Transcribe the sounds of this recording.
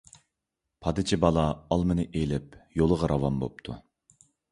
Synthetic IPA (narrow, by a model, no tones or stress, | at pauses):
pʰɑd̪ɨt͡ʃʰibɑlˠɑɑlˠmɨnɨʔejlɪpjolˠəʁɑɾʔɑvɑmbo̰p̚t̪ʰu